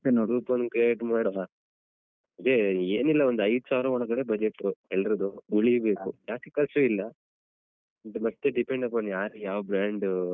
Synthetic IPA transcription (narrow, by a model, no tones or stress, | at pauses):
enoɽupɐnkeʈmaːɾɐa | ɐd̪eeːnilːɐond̪uɐjd̪saːɾɐɔɳɐkɐɽebɐd͡ʒeʈːuɦeɭɾɐd̪uuɭibe̞ːkujaːkekɐst͡ʃuilːɐ | ɖmɐt̪ːe̞ɖipe̞ɳɖɐpːɐnjaːɾujaːʋɐbɾaːɳɖ